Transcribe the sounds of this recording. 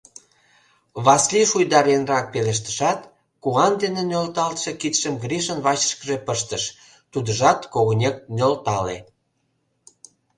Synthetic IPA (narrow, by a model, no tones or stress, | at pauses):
βɑsliʃujd̪ɑɾenrɑk̚peleʃ̬t̪ə̥ʃɑt̪ | kuɑnd̪enenʲølt̪ɑlt̪ʃekit̪ʃəmɡɾiʃənβɑt͡ɕə̥ʃkəʒepəʃt̪əʃ | t̪ud̪əʒɑt̪koɣonʲek̚nʲølt̪ɑlḛ